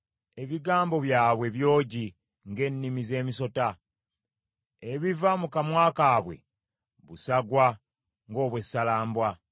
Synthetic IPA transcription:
e̞βiɡaːmbo̞βjaːβwe̞βjo̞ːɟi | ŋɡe̞nːimize̞ːmiso̞ta | eβivamukamwaːkaːβwe̞̰ | βusaɡwa | ŋɡo̞ːβwe̞sːalaːmbwa

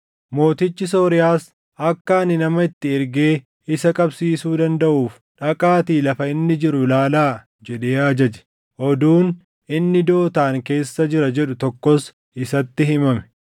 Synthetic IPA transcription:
mo̞ːt̪ɪt͡ʃːɪs̬oːɾɪjaːs | ʔɐkːɐɐnːɪnɐmɐɪt̪ːɪɪɾɡe̞ː | ɪsɐkʼɐbsiːsuːd̪ɐnd̪ɐʔuːf | ᶑɐkʼaːt̪iːlɐfɐɪnːɪd͡ʒɪɾʊlaːlaː | d͡ʒɛɗe̞ːaːd͡ʒɐd͡ʒɛ̥ | ʔɔd̪uːn | ʔɪnːɪd̪o̞ːt̪aːŋke̞ːsːɐd͡ʒɪɾɐd͡ʒɛɗʊt̪ɔkːɔs | ʔɪsɐt̪ːɪɦɪmɐmɛ̥

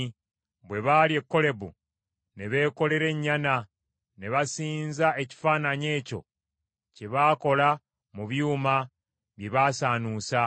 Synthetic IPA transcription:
βwe̞βaːlie̞kːo̞le̞βṵ | ne̞βe̞ːko̞le̞ɾe̞ɲːana | ne̞βasiːnzae̞ci̥faːnaɲe̞ːco̞̰ | ceβaːko̞la | muβjuːma | βje̞βaːsaːnuːsa

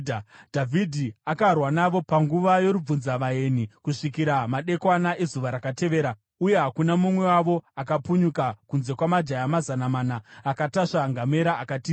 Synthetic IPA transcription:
dʱavʱidʱiakarwanaʋo̞paŋɡuʋajo̞ɾub͡vunzaʋae̞nikuʂikiɾamaɗe̞kwanaʔezuʋaɾakate̞ʋe̞ːɾa | uje̞ɦakunamumwe̞waʋo̞akapuɲukakunze̞kwamad͡ʒajamazanamaːnaːkataʂaŋɡame̞ɾaʔːkatiː

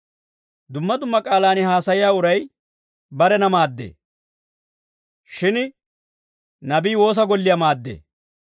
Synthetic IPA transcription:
d̪ʊmːɐd̪ʊmːɐkʼaːlaːnɪɦaːsɐjɪjaːʊɾɐj | bɐɾɛnɐmaːd̪ːḛː | ʃɪn | nɐbiːwo̞ːs̬ɐɡɔlːɪjɐmaːd̪ːḛː

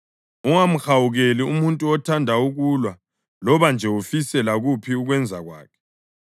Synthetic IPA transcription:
uŋam̩xawuɣeliumuntʼuɔtʰandʱauɣulwa | lɔβand͡ʒʱɛwufisɛlaɣupʰiuɣwɛnd͡zʱaɣwa̰ːkʰɛ̥

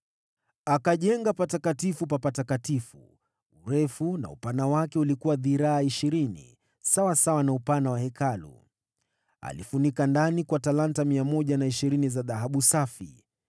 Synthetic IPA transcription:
akaʄɛŋɡapatakatifupapatakatifṵ | uɾɛfuna̰ṵpanawakɛulikuwaðiɾaːiʃiɾinḭ | sawasawanaupanawahɛkalṵ | a̰lifunikandanikwatalantamiamɔʄanaiʃiɾinizaðaɦaɓusafḭ

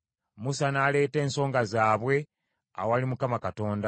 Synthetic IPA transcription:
musanaːle̞ːte̞ːnso̞ːŋɡazaːβwe̞ | a̰walimukamakato̞ːnda

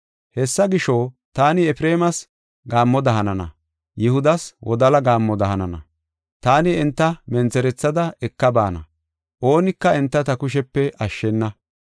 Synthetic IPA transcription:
hɛsːɐɡɪʃoː | t̪aːnɪɛpɾeːmɐs | ɡaːmːɔd̪ɐɦɐnɐnɐ̰ | jɪhʊd̪ɐswʔɔ̰d̪ɐlɐɡaːmːɔd̪ɐhɐnɐnɐ̰ | t̪aːnɪɛnt̪ːɐmɛnt͡sɛɾɛt͡sːɐd̪ɐɛkːɐba̰ːnɐ̰ | ʔo̞ːnɪkːɐɛnt̪ːɐt̪ɐkʊʃ̬ɛpːɛʔɐʃːɛnːɐ

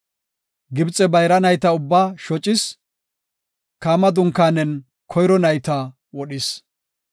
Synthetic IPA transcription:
ɡɪbt͡sʼɛbɐjɾɐnɐjt̪ɐʊbːaːʃɔt͡ʃʼːɪs | kaːmɐd̪ʊŋkːaːnɛn | kʰɔjɾɔnɐjt̪ɐ | wɔɗɪs

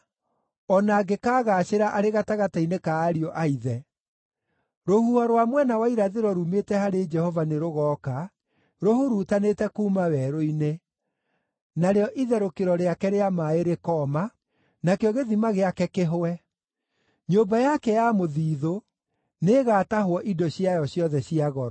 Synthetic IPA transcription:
ɔnaɡekaːɣaːɕeɾaʔaɾeɣataɣatainekaːɾiɔʔaiðɛ | ɾohuaɾwamwɛnawaiɾaðeɾɔɾumetɛhaɾed͡ʒɛhɔvaneɾoɣɔka | ɾohuɾutanetɛkuːmawɛɾoine | naɾeɔʔiðɛɾokeɾɔɾeakɛɾeamaeɾekɔːma | nakeɔɣeðimaɣeakɛkeɦoɛ | ɲobajakɛjamoðiːðo | neːɣaːtaɦwɔʔidɔɕjajɔɕjɔðɛɕiaɣɔɾɔ

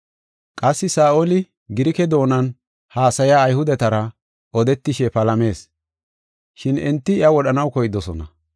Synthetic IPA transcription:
kʼɐsːɪsaːʔolɪ | ɡɪɾɪkɛd̪o̞ːnɐn | haːsɐjaːjhʊd̪ɛt̪ɐɾɐ | ɔd̪ɛt̪ːɪʃɛpɐlɐme̞ːs | ʃɪnɛnt̪ːɪɪɐwɔɗɐnɐwkɔjɪd̪ɔsɔnɐ̰

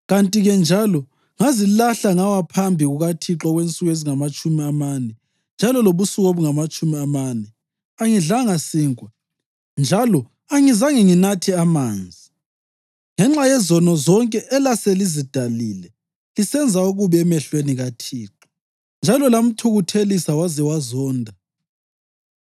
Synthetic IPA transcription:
ɣantʼiɣɛnd͡ʒʱalɔ | ŋazilaɬaŋawapʰambʱiɣuɣatʰiǁɔɣwent͡sʼuɣeziŋamat͡ʃʼumiamanɛ | nd͡ʒʱalɔloβusuɣoβuŋamat͡ʃʼumiamanɛ | aŋiɮaŋasiːŋwa | nd͡ʒʱalɔ | aŋizaŋiŋinatʰiamaːnd͡zʱi | ŋɛŋ͡ǁajɛzɔnɔzɔŋkʼɛʔːlaselizid̥ʱaliːlɛ | lisɛnd͡zʱauɣuβɛɛmɛɬweniɣatʰiːǁɔ̥ | nd͡ʒʱalɔlam̩tʰuɣutʰelisawazɛwazɔːndʱa

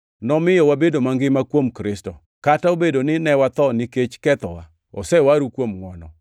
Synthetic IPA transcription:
nɔmɪjɔwabedomaŋɡɪmakwomkɾɪstɔ̰ | kataobedonɪnɛwat̪ɔniket͡ʃkɛt̪ɔwa | ɔ̰sɛwaɾukwomŋwɔnɔ̰

